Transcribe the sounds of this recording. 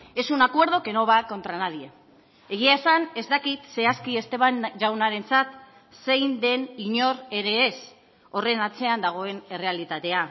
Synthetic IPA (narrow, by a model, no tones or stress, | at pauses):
e̞sunakwe̞ɾð̞o̞ke̞no̞β̞ako̞nt̪ɾanaðie | e̞ɣiaesane̞zt̪akit̪se̞askie̞st̪e̞βand͡ʒawnaɾe̞nt͡sat̪ | se̞jnd̪e̞niɲo̞ɾe̞ɾe̞ːs | o̞re̞nat͡se̞and̪aɣ̞o̞e̞ne̞re̞alit̪at̪e̞a